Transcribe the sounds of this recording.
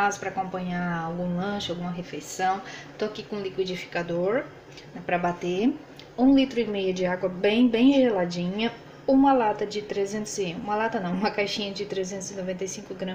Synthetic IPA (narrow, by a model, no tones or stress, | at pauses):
azʊ̥pɾɐakõmpɐ̃ɲaawɡũlɐ̃ʃʊawɡũmɐɦefejsɐ̃w̃t̪oakikõlikwid͡ʒifi̥kad̪oɾ | nɛpɾɐbat̪e | ũlit̪ɾʊimejɐd͡ʒɪaɡwɐbẽj̃bẽj̃ʒelad͡ʒĩɲɐ | ũmɐlat̪ɐd͡ʒɪt̪ɾezẽnt̪ʊzɪũmɐlat̪ɐnɐ̃w̃ũmɐkajʃĩɲɐd͡ʒɪt̪ɾezẽnt̪ʊzɪnovẽnt̪ɐjsĩŋkʊɡɾɐ̃